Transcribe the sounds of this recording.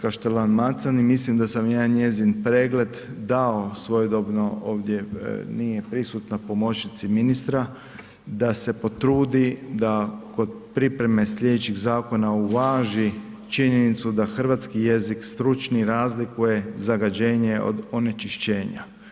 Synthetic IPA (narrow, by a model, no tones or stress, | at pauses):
kaʃt̪elanmat̪sanimislimd̪asamjaːnɲe̞zinpɾe̞ːɡle̞d̪d̪ao̞sʋo̞jod̪obnooːʋd̪je̞nijepɾisut̪napo̞mo̞t͡ʃnit̪siminist̪ɾa | d̪ase̞po̞t̪ɾuːd̪id̪ako̞d̪̚pɾipɾe̞me̞sʎʲe̞d̪et͡ʃiɣzaːko̞nauʋaːʒi | t͡ʃiɲenit̪sud̪axr̩ʋat̪skije̞zikst̪ɾut͡ʃniɾaːzlikuje̞zaɡad͡ʒe̞ːɲeo̰d̪o̞ne̞t͡ʃiʃt͡ɕeːɲa̰